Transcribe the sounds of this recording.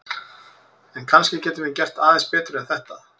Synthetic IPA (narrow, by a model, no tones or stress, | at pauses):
ɛnkʰanscɪcɛːt̪ʏmvɪcɛr̥t̪aːðɛnspɛːt̪ʏɾɛnθɛht̪a